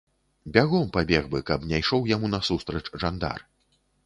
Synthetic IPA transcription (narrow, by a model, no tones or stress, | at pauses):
bʲaɣɔmpabʲɛɣbɨkɐbnʲajʂɔwjamunɐsust̪ɾɐt͡ʂʐand̪a̰r